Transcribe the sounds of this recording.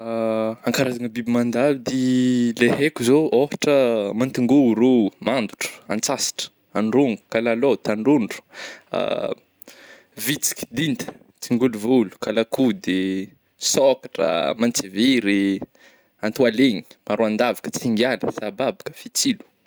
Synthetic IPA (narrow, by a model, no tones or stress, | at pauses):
aŋkaɾazaŋəbibimand̪alud̪ileɦekuzoofḁʈ͡ʂəmant̪iŋɡuɾumand̪uʈ͡ʂə̥a̰nt͡sasi̥ʈ͡ʂə̥ | aɳɖ͡ʐuŋɡu̥kalalot̪aɳɖ͡ʐuɳɖ͡ʐu̥a̰ | vit͡si̥kʲi̥d̪int̪ə̥ | t͡siŋɡuluvulu̥kalakud̪e | sokḁʈ͡ʂə̰mant͡siviɾi | ant̪ualeɲi̥maɾuand̪avakə̥t͡siŋɡaləsababakə̥fit͡silu̥